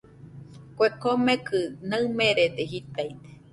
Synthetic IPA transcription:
kʷekomẽkɨnaɨmẽɾed̪eɦit̪ait̪e̥

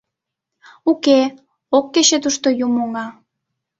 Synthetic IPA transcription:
uke | okːet͡ɕet̪uʃt̪ojumoŋɑ

